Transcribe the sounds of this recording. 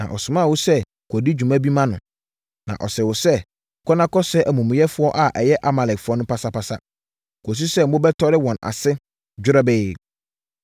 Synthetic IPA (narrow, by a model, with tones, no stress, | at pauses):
nã̰˨ʔɔ˨sʊ̃˨mã˦˨wʊ˦sɛ˦ | kʰɔ˨di˦d͡ʑᶣu˨mã˦bi˦mã˦nʊ̃˨ | nã̰˨ʔɔ̰˨sɛ˨wʊ˨sɛ˦˨ | kʰɔ˦nã˦kɔ˦sɛ˦ʔæ˨mũ˨mɪ̃˨jɛ˦fʊ˦ɔ˦ʔa˨ʔɛ˨jɛ˦ʔa˨ma˨lɛ˨kfʊ˨˦ɔ˦nʊ̃˦pa˦sa˦pa˨sa̰˦ | ko˨s̬u˦sɛ˦mʊ̃˦bɛ˦tʰɔ˦ɾɪ˦wɔ̃˨na̰˨sɪ˦ | d͡ʑᶣʊ˦ɾɛ˦beː˦˨